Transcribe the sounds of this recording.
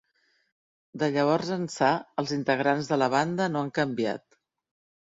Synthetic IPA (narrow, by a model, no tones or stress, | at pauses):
d̪əʎəβ̞ɔɾzənsaəlˠzint̪əɣɾanzðələβ̞and̪ənoaŋkəmbia̰t̪